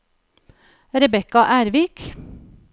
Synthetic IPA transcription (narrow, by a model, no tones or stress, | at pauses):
ɾɛbɛkɑʔæːɾʋɪk